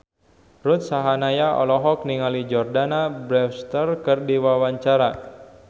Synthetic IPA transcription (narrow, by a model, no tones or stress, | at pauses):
rut̪̚saɦanajaɔ̰lɔɦɔk̚niŋalid͡ʒɔrdanabɾɛfst̪ərkərdiwawaɲt͡ʃaɾa